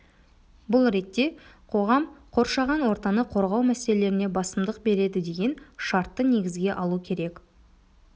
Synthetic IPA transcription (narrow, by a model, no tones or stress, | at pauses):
bʊlˠɾe̞k̪̚t̪ːe̞qʰo̞ʁɑmqʰo̞ɾʃɑʁɑnwo̞ɾt̪ɑnəqʰo̞ɾʁɑwmæselele̞ɾɪne̞bɑsəmd̪əq̚be̞ɾe̞d̪ɪd̪e̞ɡʲe̞nʃɑɾt̪ːəne̞ɡʲɪzɡʲe̞ʔɑlˠukʲʰe̞ɾe̞k